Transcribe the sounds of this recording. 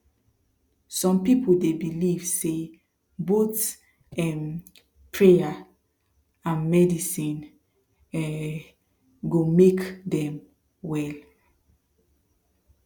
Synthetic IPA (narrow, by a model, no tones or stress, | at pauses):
sɔ̃mpipʰoldebiliv̥se | bots | ɛm | pʰɹea | ãnmɛdisĩn | ɡomekdɛ̃m | wɛl